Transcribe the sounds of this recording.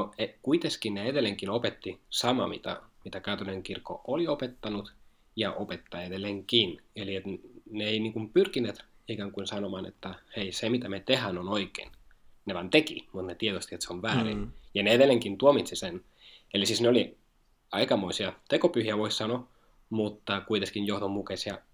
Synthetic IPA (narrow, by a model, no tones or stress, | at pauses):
noekuit̪eskinneeðelːeŋkinopet̪ːisɑmɑ̰mḭt̪æ̰mit̪ækæyt̪oneŋkirkːo̰ʔoliopet̪ːɑnut̪ | jɑʔopet̪ːɑeðelːeŋkineliet̪neeiniːŋkumpyrkinːˑeːt̪ikæːŋkuinsɑnomɑːnḛt̪ːæheisemit̪æmet̪ehænonoikˑḛnneʋɑint̪ekimut̪net̪iet̪ost̪iet̪seoʋʋæːrḭnjɑneeðelːˑeŋkint̪uomit̪sisen | elisisneoli | ɑikɑmoisiɑt̪ekopyhiæʋoissɑno | mut̪ːɑkuit̪eskinjohðomːukesjɑ